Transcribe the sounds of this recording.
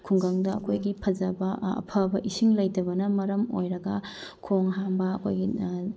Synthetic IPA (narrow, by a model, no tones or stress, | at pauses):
kʰuŋɡaŋdɐɐkʰojɡipʰɐd͡ʒɐbɐ̰ːpʰɐbɐʔisiŋlɐjtɐbɐnɐmɐɾɐmojɾɐɡɐkʰoŋɦambɐɐkʰo̰jɡi